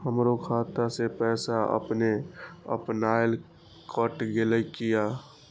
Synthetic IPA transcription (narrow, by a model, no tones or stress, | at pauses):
həmɾokʰaːt̪asepɛːsaə̰pneə̰pnaɪl | kʰəʈɡeləikija